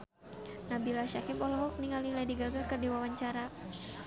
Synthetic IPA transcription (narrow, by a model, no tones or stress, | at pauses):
nabilaʃakipɔlɔɦɔk̚niŋaliladiɡaɡakɨrdiwawaɲt͡ʃaɾa